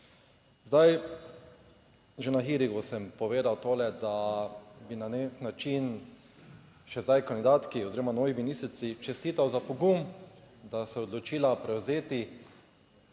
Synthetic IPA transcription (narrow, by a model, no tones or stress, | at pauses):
zd̪aj | ʒenaxiɾiɡusɛmpɔʋeːd̪awt̪oːlɛd̪abinaneknat͡ʃin | ʃɛzd̪ajkand̪id̪aːt̪kiɔziɾɔmanɔːʋiminist̪ɾit̪sit͡ʃɛst̪iːt̪awzapɔɡumd̪asɛɔd̪lɔt͡ʃiːlapɾɛwzeːt̪i